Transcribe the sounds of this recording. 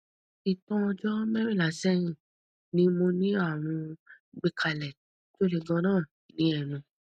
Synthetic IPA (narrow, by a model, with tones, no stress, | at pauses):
i˨tɔ̃˦ɔ˧d͡ʒɔ˦mɛ˦ɾi˦˨la˨˦sɛ˦ɾ̃ĩ˦˨ | nĩ˧˦mo˧nĩ˦a˦˨w̃ɔ̃˧ | ɡ͡be˧kʰa˧lɛ˨ | to˦ɾe˧ɡã˧nãː˦˨ | nĩ˨˦ɛ˦˨nũ˧